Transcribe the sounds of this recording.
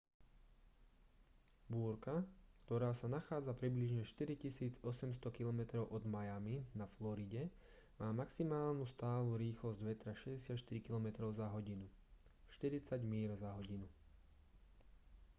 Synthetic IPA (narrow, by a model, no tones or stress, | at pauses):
buːɾkakt̪ɔɾaːsanaxaːd͡zapɾibliʒɲɛʃt̪iɾicisiːd͡zɔsɛmst̪ɔkilɔmɛt̪ɾɔʊʔɔd̪majaminaflɔɾiɟɛ | maːmaksimaːlnust̪aːluɾiːxlɔzɟʋɛt̪ɾaʃɛɟɛsɪat̪ʃt̪iɾikilɔmɛt̪ɾɔʊzaɦɔɟinuʃt̪iɾit͡saɟmiːɾzaɦɔɟinu